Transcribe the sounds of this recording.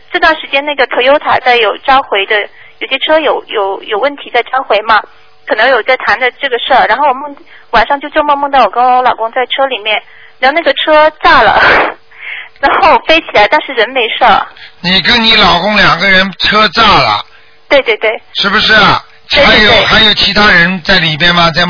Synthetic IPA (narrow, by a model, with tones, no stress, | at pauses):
ʈ͡ʂɤ˥˧t̪wa˥˩nʂɻ̩˧˥t͡ɕjɛ˥na˥˩ɡə˩t̪ʰɤ˧˥jo˥ʊt̪ʰa̰˨˩t͡sa˥˩ɪjo˨˩ʊʈ͡ʂa˥xwe˧˥ɪd̪ə˧ | jo˨˩ʊɕɛ˥ʈ͡ʂʰɤ˥jo˨˧˩ʊjo˨˩˦ʊjo˨˩ʊwə˥˩nt̪ʰi˧˥t͡sa˥˩ɪʈ͡ʂa˥xwe˧˥ɪmɐ˧ | kʰɤ˨˩nɤ˧˥ŋjo˨˩ʊt͡sa˥˩ɪt̪ʰa˧˥nd̪ə˧ʈ͡ʂɤ˥˩ɡə˩ʂə˥˩ɻa˧˥nxo˥˩ʊwɔ˨˩mɤ˥˧ŋ | wa˨˩nʂɑ˥˧ŋt͡ɕjo˥˧t͡ɕjmɤ˥˧ŋmɤ˥˧ŋt̪ɑ˥˩ʊwɔ˨˩kə˥wlɑ˨˩ʊkʊ˥ŋt͡sa˥˩ɪʈ͡ʂʰɤ˥li˨˩mjɛ˥˩n˨˧˥ | na˥˩ɡə˩ʈ͡ʂʰɤ˥t͡sa˥˩lə̰˩ | ɻa˧˥nxo˥˩ʊwfe˥ɪt͡ɕʰi˨˩la˧˥ɪt̪ɑ˥˧ŋʂɻ̩˥˩ɻə˧˥nme˧˥ɪʂə˥˩ni˨˩kə˥nni˧˥lɑ˨˩ʊkʊ˥ŋljɑ˨˩ŋɡə˦ɻə˧˥nʈ͡ʂʰɤ˥t͡sa˥˩lə̰˩ | t̪we˥˧ɪt̪we˥˧ɪt̪we˥˩ɪʂɻ̩˥˩bu˩ʂɻ̩˥˩ɐ˩˥˧ | a˧˥ɪjo˨˩˥ʊ˩xa˧˥ɪjo˨˩ʊt͡ɕʰi˧˥t̪ʰa˥ɻə˧˥nt͡sa˥˩ɪli˨˩mjɛ˥˧nmɐ˨t͡sa˥˧ɪ